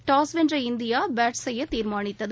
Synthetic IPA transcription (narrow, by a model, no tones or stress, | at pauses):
ʈaːsʋɛndrɐɪnd̪ɪjaːbaːʈssɛjːɐt̪ːiːɾmaːɳɪt̪ːɐð